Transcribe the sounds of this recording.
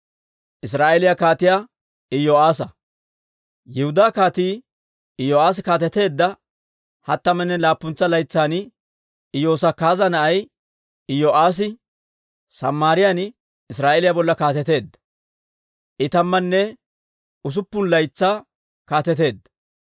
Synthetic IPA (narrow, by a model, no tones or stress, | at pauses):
ʔɪs̬ɾaːʔelɪjakaːt̪ɪjaː | ɪjoːʔaːsɐ | jɪhʊd̪aːkaːt̪iː | ɪjoːaːs̬kaːt̪ɛt̪e̞ːd̪ːɐ | hɐt̪ːɐmɛnːɛlaːpːʊnt͡sːɐlɐjt͡sːaːn | ɪjo̞ːsɐkaːzɐnɐʔɐj | ɪjoːʔaːs̬ɪ | sɐmːaːɾɪjan | ɪsɾaːʔelɪjabɔlːɐkaːt̪ɛt̪e̞ːd̪ːɐ̥ | ʔɪt̪ɐmːɐnːɛ | ʊs̬ʊpːʊnlɐjt͡sːaː | kaːt̪ɛt̪e̞ːd̪ːɐ